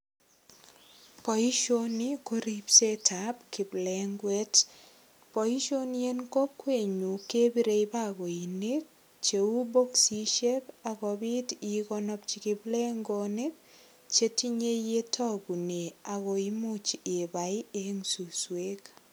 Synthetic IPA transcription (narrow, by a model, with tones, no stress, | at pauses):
pɔ˨i˦ʃo˦ni˦ko˦ɾi˦pse˦tʰa˨p̚kɪ˨blɛ˨ŋɡwe˦t | pɔ˨i˦ʃo˦nje˦nko˦kwe˦˨ɲu˨ke˦bi˦ɾe˨jba˦ɣo˨i˨ne˦k̚ | t͡ʃe˨u˦bo˦ksi˦ʃe˦ka˨ɣɔ˨bɪ˦ti˨ɣɔ˦nɔ˦pt͡ʃi˨kɪblɛ˦ŋɡone˦k̚ | t͡ʃe˦ti˦ɲe˦je˦tʰɔ˦ɡu˨ne˨a˨ɣo˨i˦mʊ˦t͡ʃɪ˨ba˨ɪ˦e˨˦ŋsu˨swe˦k